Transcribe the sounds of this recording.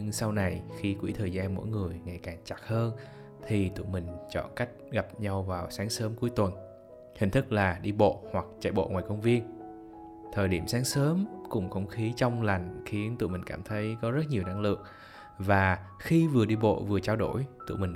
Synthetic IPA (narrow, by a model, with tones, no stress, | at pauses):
ŋsa˧wna˨˩jxi˧kwi˧˥t̪ʰəː˨˩jzaː˧nmo̰˧˥jŋɨ˨˩əjŋa̰˧˩jkaː˨˩ŋt͡ɕa˨˩k̚həː˧n | t̪ʰi˨˩t̪ṵ˧˨mï˨˩ŋ̟t͡ɕɔ̰˧˨nka˦˥jk̟̚ɣa˨˩p̚ɲa˧wvaː˨˩wsaː˨˦ŋsəː˨˦mku˨˦jt̪wə˨˩n | hï˨˩ŋ̟t̪ʰɨ˦˥k̚laː˨˩ɗi˧ɓo̰˧˨hwa˨˩k̚t͡ɕa̰ː˧˩jɓo̰˧˨ŋwaː˨˩jkə˧wŋ͡mvi˧ən | t̪ʰəː˨˩jɗi˧˩əmsaː˨˦ŋsəː˨˦mkʊ̰˧˥ŋ͡mxə˧wŋ͡mxi˨˦t͡ɕɔ˧wŋ͡mla˨˩jŋ̟xi˨˦ənt̪ṵ˧˨mï̟˨˩kaː˧˩mt̪ʰə˨˦jkɔ˨˦zə˦˥t̚ɲi˨˩əwna˧ŋlɨ̰˧˨əŋ | vaː˨˩xi˧vɨ˨˩əɗi˧ɓo̰˧˨vɨ˨˩ət͡ɕaː˧wɗo˧˩jt̪ṵ˧˨mï˨˩ŋ